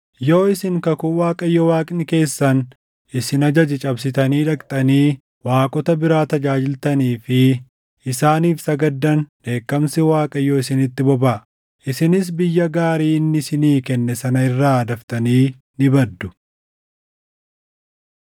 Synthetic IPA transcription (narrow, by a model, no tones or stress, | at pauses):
joːɪsɪŋkɐkʊwaːkʼɐjːowaːkʼɪnɪke̞ːsːɐn | ɪsɪnɐd͡ʒɐd͡ʒɪt͡ʃʼɐbsɪt̪ɐniːᶑɐkʼt̪ʼɐniː | waːkʼɔt̪ɐbɪɾaːt̪ɐd͡ʒaːd͡ʒɪlt̪ɐniːfɪ | ɪsaːniːfsɐɡɐd̪ːɐnᶑe̞ːkːɐmsɪwaːkʼɐjoːɪsɪnɪt̪ːɪbɔbaː | ʔɪsɪnɪs̬bɪjːɐɡaːɾiːnːɪsɪniːkɛnːɛsɐnɐɪrːaːɐd̪ɐft̪ɐniː | nɪbɐd̪ːʊ̥